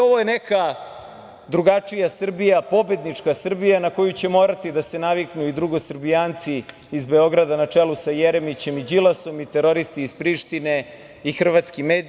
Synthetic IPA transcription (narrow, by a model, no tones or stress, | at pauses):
o̞ʋo̞jeneka | d̪ɾuɡat͡ʂijasr̩bijapo̞be̞d̪nit͡ʂkasr̩bijanako̞jut͡ɕe̞mo̞ːɾat̪id̪ase̞naʋiknuid̪ɾuɡo̞srbijaːnt̪si | izbe̞o̞ɡɾad̪anat͡ʂelusajeɾe̞mit͡ɕe̞mid͡ʑilaso̞mit̪e̞ɾo̞ɾist̪iːz̥pɾiʃt̪ine̞ | ixr̩ʋat̪skimeːd̪